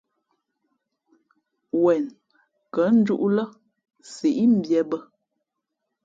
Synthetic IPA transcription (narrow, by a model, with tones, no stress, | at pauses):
wɛ˨n | kə˨˦n̩˦d͡ʒu˦ʔlə˦ | se˨ʔi˦m̩˦bjɛ˨bə˦